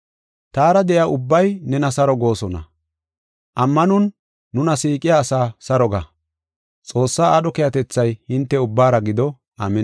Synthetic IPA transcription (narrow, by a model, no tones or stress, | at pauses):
t̪aːɾɐd̪ɛʔjaːʔʊbːɐjnɛnɐsɐɾɔɡo̞ːsɔnɐ̰ | ʔɐmːɐnʊnː | ʊnɐsiːkʼɪjaːsaːsɐɾɔɡa | t͡sʼo̞ːsːaːɐɗɔkɛjɐt̪ɛt͡sːɐjhɪnt̪ːɛʊbːaːɾɐɡɪd̪ɔ | a̰ːmɛ